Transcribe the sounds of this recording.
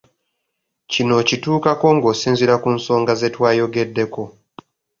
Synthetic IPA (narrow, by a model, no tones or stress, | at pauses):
cino̞cituːkako̞ŋɡo̞ːsiːnziɾakunso̞ːŋɡaze̞twaːjo̞ɡe̞dːe̞ko̞